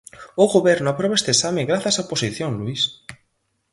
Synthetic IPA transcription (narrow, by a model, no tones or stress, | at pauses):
oɣoβɛɾnoapɾoβaest̪esamẽŋɡɾaθjasaoposiθjoŋluis